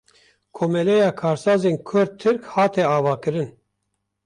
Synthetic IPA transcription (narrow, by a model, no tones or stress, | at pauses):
kʰoːmɛlɛjɑːkʰɑːɾsɑːzenkʰʊɾd̪̚t̪ʰːɨɾkhɑːt̪ɛɑːvɑːkɨɾɨn